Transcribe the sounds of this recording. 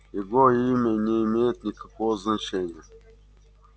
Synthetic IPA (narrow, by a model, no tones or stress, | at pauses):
jeɡoɦiːmenʲeimejt̪nʲikɐkoːznɐʃeːnie